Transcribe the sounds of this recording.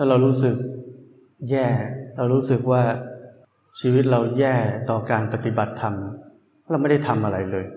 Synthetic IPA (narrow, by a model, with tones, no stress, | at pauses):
laː˥˩ɾa˧wɾuː˦˥sɯ˨˩k̚ | jɛː˥˩ɾa˧wɾuː˦˥sɯ˨˩k̚waː˥˩ | t͡ɕʰiː˧wi˦˥t̪̚ɾa˧wjɛː˥˩t̪ɔː˨˩kaː˧npa˧˩t̪i˨˩ba˨˩t̪ʰːa˧mʰ˥ | ɾa˧wm˥˩da˥˩jt̪ʰa˧mʔa˧ɾa˧jlɤː˧j